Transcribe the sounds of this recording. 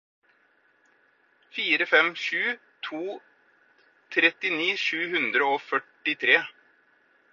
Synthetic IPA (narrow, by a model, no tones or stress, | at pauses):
fiːɾəfɛmʃʉː | t̪ʰuː | t̪ʰɾɛt̪ɪniːʂʉːhʉnd̪ɾəoːfœʈːɪt̪ʰɾeː